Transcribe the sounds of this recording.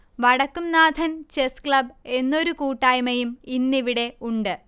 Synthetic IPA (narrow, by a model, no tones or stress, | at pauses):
ʋɐɽɐkːumnaːd̪ʱɐnt͡ɕeskɭɐbe̞nːo̞ɾukuːʈːaːjmɐjuminːiʋiɽe̞uɳɖɨ